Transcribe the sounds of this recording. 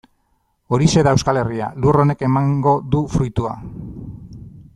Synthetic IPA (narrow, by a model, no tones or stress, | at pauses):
o̞ɾise̞ðae̞wskale̞ria̰luro̞ne̞ke̞maŋɡo̞ðufɾujt̪ua̰